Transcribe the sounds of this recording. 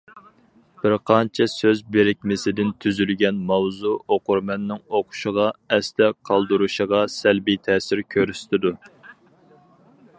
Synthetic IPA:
b̥ɪɾqʰɑnt͡ʃʰɛsøzbeɾɪk̚ʲmɪsɪd̪ɪnt̪ʰyzylɡʲɛnmɑwzuoqʊɾmɛnːɪŋoqʰʊ̥ʃəʁɑɛst̪ɛqʰɑlˠd̪uɾuʃəʁɑsælbijt̪ʰɛːsɪɾkʲʰøɾyst̪ʰɪd̪u

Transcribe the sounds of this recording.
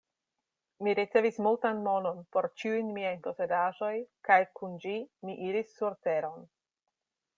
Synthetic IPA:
miɾit͡se̞vismultanmo̞no̞npo̞ɾt͡ʃiujnmiajpo̞se̞daʒo̞jkajkund͡ʒimiʔiɾisːuɾte̞ɾo̞n

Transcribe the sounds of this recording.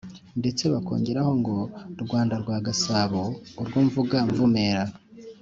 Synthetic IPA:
nde̞t͡se̞βako̞̰ːɲɟe̞ɾaho̞ŋɡo̞ɾɡwaːndaɾɡwaːɡasaβoːɾɡwuːɱvuɡaɱvume̞ːɾa

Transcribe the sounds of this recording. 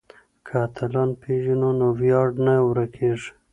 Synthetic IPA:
kʰat̪ʰalɑnpʰeʒinonowjɑɖnawɾakʰeʐ

